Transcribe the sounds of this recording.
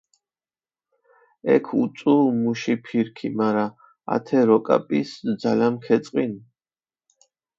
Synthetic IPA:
ɛkʰut̪sʼumuʃipʰiɾkʰimaɾa | a̰t̪ʰɛɾɔkʼa̰pʼisd̪zalamkʰɛt̪sʼqʼin

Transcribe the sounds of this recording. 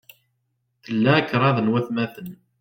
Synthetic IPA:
θəlːækːɾˤɑðˤənwæθmæθən

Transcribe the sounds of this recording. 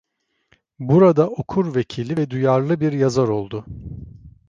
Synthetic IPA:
buɾad̪aʔokʰuɾvecʰilʲːivɛd̪ujaɾlˠɯbiɾjazaɾo̞lˠd̪ʊ

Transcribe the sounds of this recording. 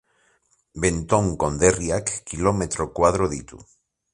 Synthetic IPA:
bent̪oŋkond̪erjakːilomet̪ɾokwaðɾoðit̪u

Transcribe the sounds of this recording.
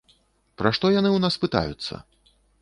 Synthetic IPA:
pɾaʂt̪ɔjanɨwnaspɨt̪a̰jut̪sːɐ̰

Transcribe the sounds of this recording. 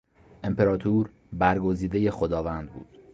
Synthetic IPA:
ʔe̞mpe̞ɾɒːt̪ʰuːɾ | bæɾɡo̞ziːd̪e̞je̞xo̞d̪ɒːvænd̪̚bṵːd̪̥

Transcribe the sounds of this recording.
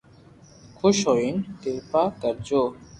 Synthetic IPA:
kʰoʃɔjent̪elpakaɾd͡ʑo

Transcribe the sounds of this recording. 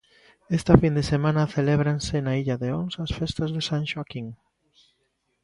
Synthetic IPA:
est̪ɐfind̪esemãnɐθeleβɾansenaiʎɐðeonsɐsfest̪ɐzðesanʃwakiŋ

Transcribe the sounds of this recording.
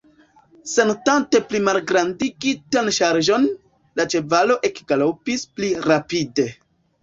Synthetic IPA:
se̞ntante̞plimalɡɾandiɡitanʃaɾʒo̞n | lat͡ʃe̞valo̞ʔe̞kɡ̥alopispliɾapide̞

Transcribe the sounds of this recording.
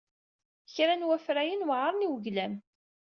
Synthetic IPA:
çɾænwæfɾæjənwʕəɾˤniwəʝlæm

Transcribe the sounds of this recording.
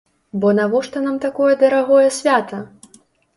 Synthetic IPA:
bɔnavɔʂt̪ɔnamt̪akɔjɛd̪ɐɾaɣɔjɛsʲvʲat̪ɐ

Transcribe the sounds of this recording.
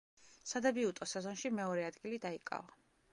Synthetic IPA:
sad̪ɛbiut̪ʼɔsɛzɔnʃimɛɔɾɛad̪ɡilid̪aikʼa̰va

